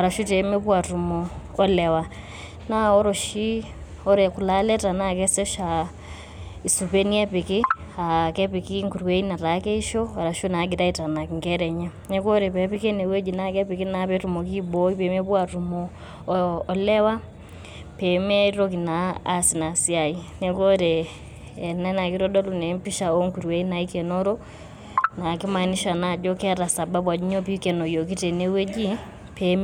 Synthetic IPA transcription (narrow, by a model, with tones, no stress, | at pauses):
a˨ɾa˨ʃu˦te˨mɛ˦pwa˨tu˨mɔː˨˦lɛ˨wa˨ | na˦ɔ˦ɾɔ˨ʃi˦ | ɔ˦ɾɛ˨ku˨la˦lɛ˦ta˨na˦˨k̬ɛ˦sɔ˦ʃa˨ | i˨su˨pe˦ni˦ɛ˦pe˨kɪ˦ | a˨kɛ˦pi˨ki˦ŋku˨ɾu˨we˦i˦na˨ɾa˨˦kɛ˦i˦ʃɔ˦a˨ɾa˨ʃu˦na˨˦ɡi˨ɾa˦i˨ta˨na˨ki˨ŋkɛ˦ɾɛ˨ɲa˦ | nɛ˦ko˦ɾe˨pɛ˨pi˦ke˦ne˨we˦d͡ʒi˨na˦˨kɛ˦pi˨ki˦na˨˦pɛ˦tu˨mɔ˨ki˦bo˦i˦pe˨me˦pwa˨tu˨mɔː˨ | lɛ˦wa˦ | pe˨me˦ɾo˦k̬i˨na˨˦a̰˦si˨na˨si˦a˨i˦ne˨ko˦ɾeː˨ | na˦na˨ki˦ɾɔ˦dɔ˦lu˨ne˨˦mpi˦ʃa˨o˦ŋku˨ɾwɛ˦i˦na˨i˦kɛ˨nɔ˦ɾo˦ | na˨ki˦ma˨ni˦ʃa˨na˨d͡ʒo˦kɛ˦ɾa˨sa˨ba˦bwa˨d͡ʒi˦ɲo˦pi˦kɛ˨no˨jo˨ki˦te˨ne˨we˦d͡ʒi˦ | pʰe˨m